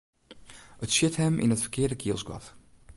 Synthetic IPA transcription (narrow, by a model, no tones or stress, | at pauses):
ətsjɪthɛmʔɪ̰nətfərkʰɪːədəkʰiəlˠsɡwɑ̰t